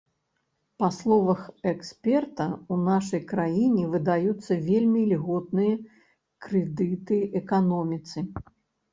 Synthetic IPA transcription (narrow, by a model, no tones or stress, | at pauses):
paslˠɔvɐxɛksʲpʲɛrt̪ɐunaʂɐjkɾajinʲɛvɨd̪ajut̪sːɐvʲelʲmʲilʲɣɔt̪̚nɨjɐ | kɾɛd̪ɨt̪ɨʔɛkanɔmʲit̪sɨ